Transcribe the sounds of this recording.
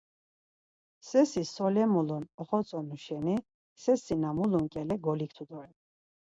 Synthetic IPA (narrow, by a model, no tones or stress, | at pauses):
sɛsisɔlɛmulunɔχɔt͡sʼɔnuʃɛni | sɛsinamuluŋkʼɛlɛɡɔlik̚ʰt̪ʰud̪ɔɾɛ